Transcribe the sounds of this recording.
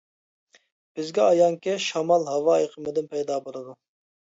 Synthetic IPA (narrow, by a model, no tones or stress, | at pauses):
b̥ɪzɡʲɛɑjɑŋkʲɛʃɑmɑlˠɦɑwɑːjqʰəmɨd̪ɪnpʰɛjd̪ɑːbolˠɨd̪u